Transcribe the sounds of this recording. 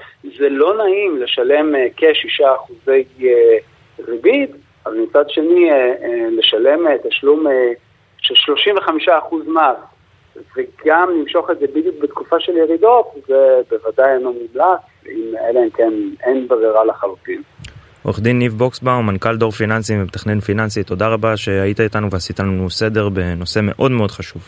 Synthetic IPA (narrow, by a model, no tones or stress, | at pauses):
zelo̞naimle̞ʃale̞mekeʃiʃaːχuze̞je | ʁibid̪ | avalmit͡sad̪ʃe̞ni | le̞ʃale̞met̪aʃlume | ʃelʃlo̞ʃiɱveχamiʃaːχuzmas | veɡamlimʃo̞χezebid̪juk̚bet̪kufaʃe̞ljeʁido̞tvebevad̪ajeno̞mumlat͡s | imeleemkenenbʁiʁalaχalut̪im | o̰χd̪inːivbo̞ksbaumankald̪o̞ʁfinansivemet̪aχnenfinansit̪o̞d̪aʁabaʃe̞ait̪ait̪anuveasit̪anuse̞deʁbe̞no̞se̞me̞̰ʔo̞d̪me̞o̞d̪χaʃuv